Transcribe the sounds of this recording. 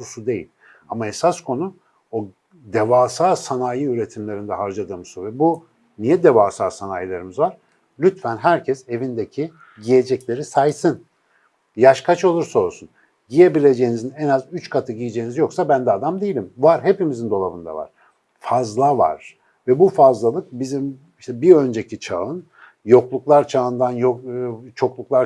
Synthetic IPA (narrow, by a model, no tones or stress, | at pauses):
susud̪e̞jḭlʲ | amaesaskʰo̞nu | o | d̪evaːsaːsanajɯyɾet̪ʰimlʲe̞ɾind̪ɛɦaɾd͡ʒad̪ɯːmɯsuvɛbu | nijɛd̪e̞vaːsaːsanajlˠaɾɯmɯzvaɾ̥ | lʲyt̪fænɦæɾcʰɛse̞vind̪ecʰi | ɟije̞d͡ʒɛclʲe̞ɾisajsɯn | jaʃkʰat͡ʃo̞lˠuɾsaolˠsun | ɟije̞bilʲe̞d͡ʒe̞jinizinɛnazyt͡ʃkʰat̪ʰɯɟijid͡ʒeːinizjo̞ksabænd̪ɛːd̪amd̪ejilʲimvaɾɦe̞pimizind̪o̞lˠavɯ̰nd̪a̰va̰ɾ̥ | fazlˠava̰ɾ̥ | vɛbufazlˠalˠɯk̚bizim | iʃt̪ɛbiø̞nd͡ʒe̞cʰit͡ʃʰa̰ɯn | jo̞klˠuklˠaɾt͡ʃʰaɯnd̪anjot͡ʃʰo̞klˠuklˠaɾ